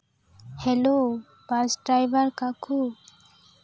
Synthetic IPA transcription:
hɛlo | basʈɾajbaɾkakʰu

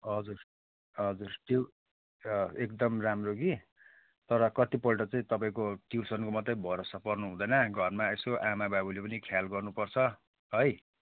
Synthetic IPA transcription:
ɦʌd͡zur | ɦʌd͡zurʈiw | ekd̪ʌmramroɡi | t̪ʌɾʌkʌt̪ipʌlʈʌt͡saĩt̪ʌpaĩkoʈiwsʌnkomʌt̪ːʌjbʱʌɾosapʌrnuɦũd̪ʌjnʌɡʱʌrmaesoʔamababulepʌnikʰjalɡʌrnupʌrt͡sʰʌ | ɦʌj

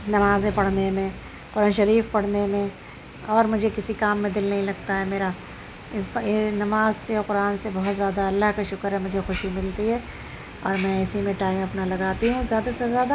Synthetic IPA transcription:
nɐmaːzẽpɐɽ̤nemẽ | qʊɾaːnʃɐɾiːfpɐɽ̤nemẽ | ɔːɾmʊd͡ʒʱekɪsikaːmːẽd̪ɪlnɐɦĩlɐɡ̚t̪aɦɛmeːɾa | ɪsbɪnɐmaːzseɔqʊɾaːnsebɔɦɔt̪zjaːd̪aɐlːaɦkaʃʊkəɾɦɛmʊd͡ʒʱexʊʃimɪlt̪iɦɛː | ɔ̰ːɾmɛ̃ɪsimẽʈaːɪmɐpnalɐɡaːt̪iɦũzjaːd̪asezjaːd̪a

